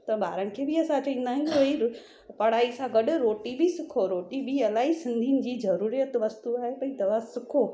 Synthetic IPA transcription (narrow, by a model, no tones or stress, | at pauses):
t̪ɐbʱa̰ːɾənɪ̆kʰeːbɪɐsãt͡ɕɐĩːn̆d̪aːɦɪ̃koːi | pɐɽ̤aːisãɡɐɗʊɾoːʈibisɪkʰoɾoːʈibiɐlaːisɪ̃nd̪ʱinɪ̆d͡ʑiːzɐɾuːɾijət̪ʋɐst̪uaːɦepɐ̃ĩd̪ɐʋasɪkʰoː